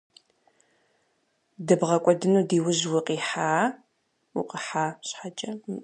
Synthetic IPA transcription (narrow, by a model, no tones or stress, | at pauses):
dɐbʁɐkʷʼɔdɨnuːdiːwʊʑwʊqʼiːħaː | wʊ̰qʼəħaːɕħat͡ʃʼɐ